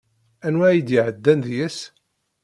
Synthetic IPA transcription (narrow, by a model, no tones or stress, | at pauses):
ænwæjid̪ɪʕəd̪ːænðjæs